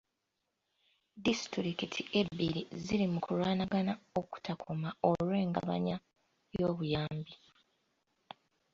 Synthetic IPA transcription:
distɾikitʰie̞bːiɾiziɾimukulwaːnaɡanao̞ku̥tʰakʰomao̞lwe̞ːŋɡa̰βa̰ɲa | jo̞ːβujaːmbi

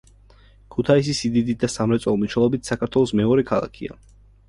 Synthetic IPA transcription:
kʰut̪ʰais̬isid̪id̪it̪̚d̪asamɾɛt̪sʼɔlˠmniʃɛlˠɔbit̪ʰsakʰaɾt̪ʰwɛlˠɔsmɛɔɾɛkʰalˠa̰kʰḭa̰

